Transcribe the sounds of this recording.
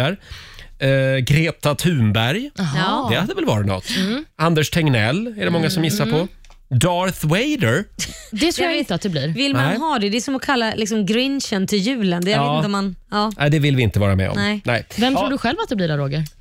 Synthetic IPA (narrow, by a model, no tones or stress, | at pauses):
æɾ | ɡɾeːt̪at̪ʰʉ̟ːmbæɾjd̪ɛhad̪ɛvɛlvɑ̰ːɾɪnɔ̰t̪ːand̪ɛʂt̪ʰɛŋnɛlːæɖɛmɔŋːasɔmjɪsːaɾpʰɔ | d̪ɑɾθwɛjd̪əɾd̪ɛt̪ʰɾujɪnt̪əat̪̚d̪ɛbliːɾvɪlnmaɦɑːd̪ɛd̪ɛɛsɔmɔkʰalːalɪksɔmɡɾɪnʃənt̪ʰɪljʉ̟ːlənd̪ɛɪːnɔmanɑːnæɪd̪ɛvɪlvɪɪnt̪əvɑːɾa̰mɛ̰ɔ̰mnɛɪnɛɪvɛmt̪ʰɾuːɖɵɧɛlvat̪d̪ɛblɪɖɛɾoːɡəɾ